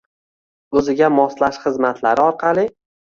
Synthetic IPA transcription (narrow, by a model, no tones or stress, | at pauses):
ɵzɪɡʲamɒslaʃχɨzmat̪ʰlaɾɪɒɾqʰɑlˠɪ